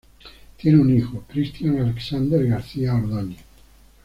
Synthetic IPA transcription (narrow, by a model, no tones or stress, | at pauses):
t̪jɛneunixokɾist̪janaleksand̪eɾɡaɾsiːaoɾd̪oɲːe